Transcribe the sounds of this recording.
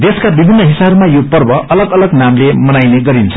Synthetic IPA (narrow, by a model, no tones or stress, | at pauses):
d̪eskabibʱinːʌɦisabmajopʌrbʌʔʌlʌɡʌlʌɡnamlemʌnajneɡʌɾint͡sʰʌ̥